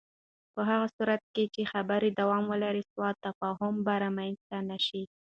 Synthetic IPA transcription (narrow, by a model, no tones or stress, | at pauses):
pəɦaɣasuɾat̪̚ket͡ʃexabəɾid̪awɑmwəlaɾiswɑt̪ːafɑɦʊmbaɾamajnzt̪anaʃi